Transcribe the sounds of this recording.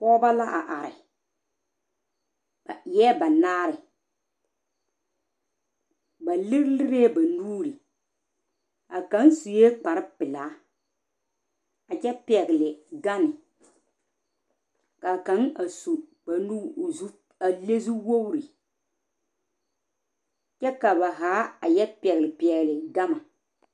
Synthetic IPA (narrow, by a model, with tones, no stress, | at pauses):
pɔː˦ba˦la˦ʔa˨ʔa˨ɾɪ̰˨ | jɛː˦ba˨naː˦ɾɪ˨ | ba˨lɪ˦ɾlɪ˦ɾeː˦ba˨nuː˦ɾi˨ | a˨ka˦n˦su˨jeː˦k͡pa˨ɾɪ˦pɪ˨laː˨˦ | a˨t͡ʃɛ˦pi˦ɛ˨ɡɪ˨lɪ˨ɡa˦nɪ˨ | ka˨ka˨˦na˨su˨ba˨nu˦˨z | a˨le˦zu˦wo˦wɾi˨ | t͡ʃɛ˦ka˨ba˨ɦaː˨˦a˨jɛ˦pɛ˨ɣɪ˨lɪ˨pi˨ɛ˨ɣɪ˨lɪ˨ɡa˦ma˨